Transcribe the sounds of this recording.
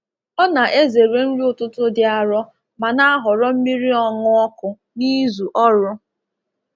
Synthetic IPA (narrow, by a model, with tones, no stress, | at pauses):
ɔ˦na˨ʔe˦ze˨ɾe˨n̩˦ɾi˦ʊ˦˨tʊ˦tʊ˦dɪ˦a˨ɾɔ˦ | ma˨na˦a˦ɦʊ˨ɾɔ˦m̩˦mi˦ɾi˦ɔ˦ŋʊ˦ɔ˦kʊ˨ | ni˦zu˨ʔɔ˦ɾʊ˦